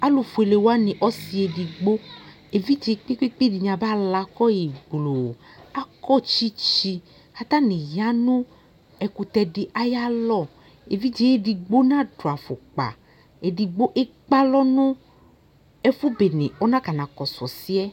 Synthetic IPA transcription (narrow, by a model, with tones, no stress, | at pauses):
a˦lo˨fu˨e˨le˨wo˦a˦nĩ˨ʔɔ˦si˨e˨di˨ɡ͡bo˦ | e˨vi˦d͡ʒe˨˦k͡pe˦k͡pe˦k͡pe˦˨di˨ɲã˨ba˦la˨kɔ˦ji˨ɡ͡blo˨ | a˦kɔ˦t͡ʃi˦t͡ʃi˧ | ka˨t̪a˦nĩ˨ja˦nʊ̃˦ | ɛ˨ku˨t̪ɛ˧ɖi˨ʔa˦ja˦lɔ˦˨ | e˨vi˦d͡ʒe˨˦e˦di˨ɡ͡bo˦nã˦do˨a˨fo˨k͡pa̰˨ | e˨di˨ɡ͡bo˦ʔe˦ | k͡pa˦lɔ˦nʊ̃˦ | ɛ˦fu˦be˨nḛ̃˨ɔ˦nã˦ka˨nã˨kɔ˨sɔ˨si˦ɛ˦